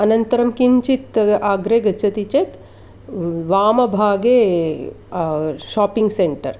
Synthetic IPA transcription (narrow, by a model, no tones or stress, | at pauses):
ɐnɐnt̪ɐɾɐmkiɲt͡ʃit̪aːɡɾeːɡɐt͡ʃʰɐt̪it͡ʃet̪ | ʋaːmɐbʱaːɡeː | ʃaːpiŋɡseɳʈɐ̰ɾ